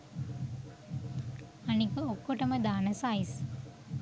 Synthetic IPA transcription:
anikəokːoʈəməd̪aːnəsajs

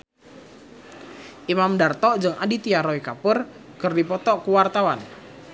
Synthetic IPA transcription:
ʔimamdart̪ɔʔd͡ʒɨŋa̰dit̪iaɾɔikapər | kərdipɔt̪ɔʔkuwart̪awan

